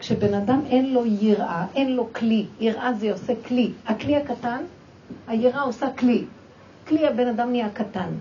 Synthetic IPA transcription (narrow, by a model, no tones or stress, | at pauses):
kʃebe̞nadamʔe̞nlo̞jiʁʔaʔe̞nlo̞klijiʁʔazeoseklihaklihakatan | hajiʁʔao̞sakli | kliabe̞nadamniakatan